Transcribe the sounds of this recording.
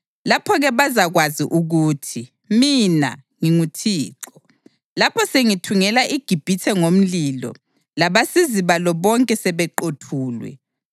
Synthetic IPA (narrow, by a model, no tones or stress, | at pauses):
lapʰɔɣɛβazaɣwaziʔuɣuːtʰi | mina̰ŋiŋutʰiːǁɔ | lapʰɔseŋitʰuŋɛlaʔiɡ̥ʱib̥ʱitʰɛŋom̩lilɔ̰ | laβasiziβalɔβɔŋkʼɛsɛβɛǃotʰuːlwɛ̰